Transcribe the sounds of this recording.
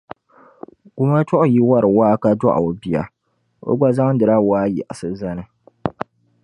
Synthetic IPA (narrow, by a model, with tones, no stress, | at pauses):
ɡ̥u˦ma˦tɔ˦ʔʊ˦ji˦wa˦ɾɨ˨waː˦ka˦dɔ̰˦ʔa̰˨o˨bi˨ja̰˨ | o̰˦ɡ͡ba˦za˦ŋ˦dɨ˨ɾa˦waː˦jɛ̰˨ʔa˨sɨ˦za˦nɨ˨